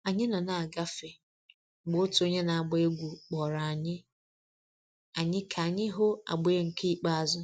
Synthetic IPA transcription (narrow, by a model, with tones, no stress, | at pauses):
a˨ɲɪ˦nɔ˨na˨a˨ɡa˦fe˨ | ɡ͡bʊ˨˦tʊ˨o˦ɲe˦na˨a˨ɡ͡be˦ɡʷu˨k͡pɔ˨ɾa˨a˨ɲɪ˦ | a˨ɲɪ˦kʰa˨ɲɪ˦ɦo˦a̰˨ɡ͡bʊ˨e˦ŋ̩˨kʰe˦i˨k͡pa˦a˨zʊ˦